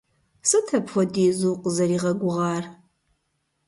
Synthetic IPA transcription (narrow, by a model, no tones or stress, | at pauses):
sɨtʰɐpχʷɔdiːzuːqʷʼzɐɾiːʁɐɡʷʊʁɑːr